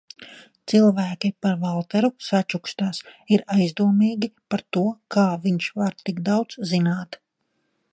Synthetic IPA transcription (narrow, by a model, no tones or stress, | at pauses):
t̪silˠvæːkʲipaɾvalˠt̪ɛɾusat͡ʃukst̪aːsiɾajzd̪uɔmiːɡʲipaɾt̪uɔkʰaːviɲʃvaɾt̪iɡd̪awt̪szinaːt̪